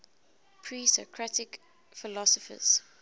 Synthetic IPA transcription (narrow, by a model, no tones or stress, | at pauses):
pʰɹisɔ̰kʰɹatɪk | fɪlɔsɔfə̰z̥